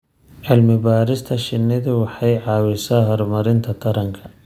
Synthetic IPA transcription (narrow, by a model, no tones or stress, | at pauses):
ʕɪlmɪbaːɾɪst̪ʰɐʃɪnːɪðʊwɑħɑjʕɑːwɪsaːɦɔrmɐɾɪnt̪ʰɐt̪ʰɐɾɐŋkʰɐ̥